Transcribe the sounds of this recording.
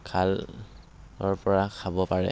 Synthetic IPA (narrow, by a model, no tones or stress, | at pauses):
kʰal | ɔɹpɔɹakʰabɔpaɹɛ̰